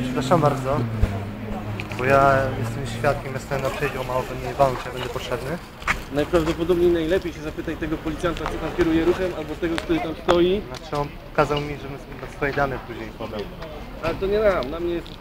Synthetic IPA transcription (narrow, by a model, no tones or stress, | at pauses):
pʂɛ̥pɾaʂambaɾd̪zɔ | bɔjajɛst̪ɛmɕfʲjat̪̚kʲɛmjast̪ajɛnapʂɛd͡ʑawmawɔpɛnd̪ɲɛvalɔ̃t͡ɕjabɛnd̪ɛpɔtʂɛbnɘ | najpɾavd̪ɔpɔd̪ɔbɲejnajlɛpʲjejɕɛzapɘt̪ajt̪ɛɡɔpɔlʲit̪ʲjant̪at͡ʂɨt̪amkʲɛɾujɛɾuxɛmalbɔt̪ɛɡɔk̚t̪uɾɘt̪amst̪ɔjinat͡ʂɛɔn | ɔkazawmʲiʐɛbɘ | nasfɔjɛd̪anɛpuʑɲejpɔd̪am | alɛt̪ɔɲɛnamlamɲɛjɛst̪